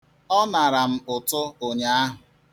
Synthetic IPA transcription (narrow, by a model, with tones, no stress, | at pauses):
ɔ˦na˨ɾa˨m̩˦ʊ˨tʊ˦o˨ɲa˨a˦ɦʊ˨